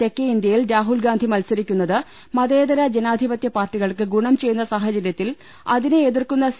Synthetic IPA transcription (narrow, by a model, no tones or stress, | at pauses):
t̪e̞kːeind̪jɐjilɾaːɦulɡaːnd̪ʱimɐlsɐɾikʲːunːɐðɨ | mɐðeːd̪ɐɾɐd͡ʑenaːd̪ʱibɐt̪jɐpaːrʈːiɣɐɭkɨɡuɳɐmt͡ɕe̞jːunːɐsaːɦɐt͡ɕɐɾjɐt̪ːil | ɐðinɨeðirkunːɐs